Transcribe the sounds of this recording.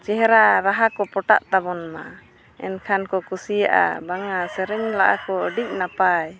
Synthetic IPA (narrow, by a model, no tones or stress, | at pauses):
t͡ʃɛɦɛɾaɾaɦakɔpɔʈa̰ʔt̪abɔnma | ɛ̰nkʰankɔkusijaʔa̰baŋasɛɾɛɲlaʔakɔəɖiʔ̚napaj